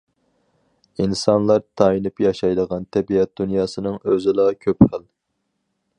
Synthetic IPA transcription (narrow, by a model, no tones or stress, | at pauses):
insɑnlˠɑɾt̪ʰɑjnɨpjɑʃɑjd̪əʁɑnt̪ʰɛbiɛt̪̚d̪̥unjɑːsɨnɨŋøzɪlˠɑkʲʰøpχæl